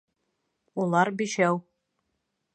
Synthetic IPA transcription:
ulˠɑɾbiʃæw

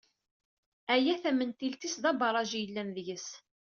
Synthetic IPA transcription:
æjæθæmənt̪ilt̪isðɑbɑɾˤɑʒijəlːænðəʝəs

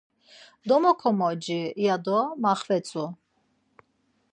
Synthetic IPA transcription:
d̪ɔmɔkʰɔmɔd͡ʒijad̪ɔmaχvɛt͡sʼu

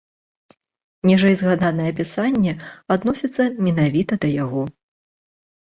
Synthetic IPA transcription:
nʲɛʐɐjzɣad̪anɐjɛɐpʲisanʲːɛad̪nɔsʲit̪sːɐmʲɛnavʲit̪ɐd̪ɐjaɣɔ

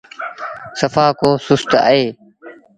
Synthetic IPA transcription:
səfaːkoːsʊst̪a̰ːeː

